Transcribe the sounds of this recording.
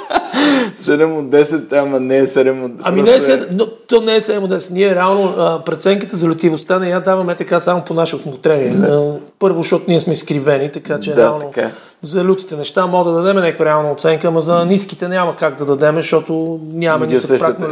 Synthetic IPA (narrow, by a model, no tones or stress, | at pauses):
sɛd̪ɛmod̪ɛsɛt̪ːamɐnɛɛsɛd̪ɛmɐminɛɛɛsɛd̪not̪ɔnɛɛsɛd̪ɛmod̪ɛsɛ̥t̪niɛɾɛalˠnoəpɾɛt̪sɛŋkət̪əzɐlʲʊt̪ivost̪anɛjad̪avɐmɛt̪ɐkasamoponaʃɛosmot̪ɾɛniɛpɤɾvoʃt̪ɔt̪ʊniɛsmɛiskɾivɛnit̪ɐkat͡ʃɛɾdɛaalˠno | zɐlʲut̪i̥t̪ɛnɛʃt̪amɔd̪ɐd̪ɐd̪ɛmɛnʲakvəɾɛalˠnɐot̪sɛŋkəmɐzɐniskit̪ɛnʲamɐkaɡd̪ɐd̪ɐd̪ɛmɛʃt̪ɔt̪onʲamɐnssɛpɾaknɐl